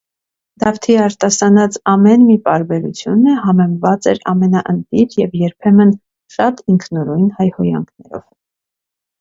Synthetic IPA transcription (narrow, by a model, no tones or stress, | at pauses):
d̪̥ɑft̪ʰiɑɾt̪ɑsɑnɑt͡sɑmɛnmip̪ɑɾbɛɾut͡sʰjunəɦɑmɛmvɑt͡sɛ̰ɾɑ̰mɛnɑʔənt̪iɾjɛvjɛɾpʰɛmən | ʃɑt̪iŋkʰnuɾujnhɑjhɔjɑ̰ŋkʰnɛ̰ɾɔ̰v̥